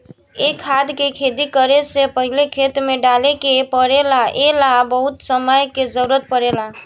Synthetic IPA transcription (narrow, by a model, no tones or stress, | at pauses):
ekʰːad̪kekʰed̪ikəɾesepəɦilekʰet̪ɾmeɖalekepəɽelaelabəɦut̪səməjked͡ʒəɾuɾət̪̚pəɽela